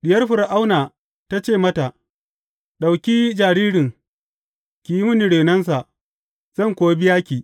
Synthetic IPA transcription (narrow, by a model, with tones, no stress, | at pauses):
ɗɪ˨jɐ˦rɸʊ˨ɾʔa˦wnaː˨ | ta˦t͡ʃeː˦˨mɐ˦ta˨ʔ | ɗa˨wkʲiː˦d͡ʒaː˨ɽiː˦ɽɪ˨ŋ | kʲi˨ji˦mʊ˦ni˨ɽeː˨nɐ˦ns̬a˨ʔ | z̥ɐ˦˨ŋkʷoː˨˦bɪ˦jaː˦kʲiː˨